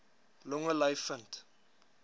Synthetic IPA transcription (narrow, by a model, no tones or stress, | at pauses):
lɔŋəlɐjfənt